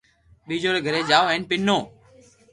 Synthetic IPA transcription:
ɓiːd͡ʒoːɾeːɡʱəɾeːd͡ʒaːoɛ̃ːnpɪnːoː

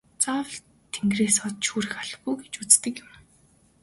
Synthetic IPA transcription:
t͡sawə̆ɮ | t̪ʰeŋɡreːsɔt̪ʃuːɾɘ̆xaɮ̆χɡujɡet͡ɕut͡st̪ɘ̆kjʊm

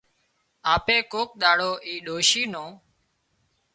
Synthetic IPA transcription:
aːpeːkoːk̚ɗ̪aːɽoːʔiːɗoːʃiːnõː

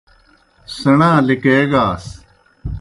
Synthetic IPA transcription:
sɐɳãːlikeːɡaːs

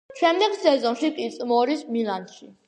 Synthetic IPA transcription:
t͡ʃʰwɛmd̪ɛksɛzɔŋʃikʼit̪sʼmɔɾismilanʃi

